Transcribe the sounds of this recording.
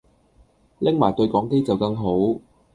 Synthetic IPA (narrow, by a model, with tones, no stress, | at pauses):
lɪ˥ŋmaː˨˩t̪ɵ˧ɥkɔː˨˥ŋke˥jt͡sɐ˨wkɐ˧ŋɦo˨˥w